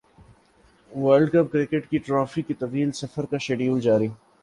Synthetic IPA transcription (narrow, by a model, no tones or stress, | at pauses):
ʋəɾɖkɐp̚kɾɪkeʈkiʈɾaːfikit̪ɐʋiːlsɐfəɾkaʃeːɖijuːld͡ʒaːɾiː